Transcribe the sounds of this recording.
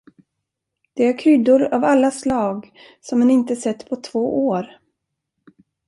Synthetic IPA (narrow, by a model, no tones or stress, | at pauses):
d̪̥ɛæɾkʰɾʏd̪ʊɾavalːaslɑːɡ | sɔmɛnɪnt̪əsɛt̪ːpʰɔt̪ʰv̥oːʔoːɾ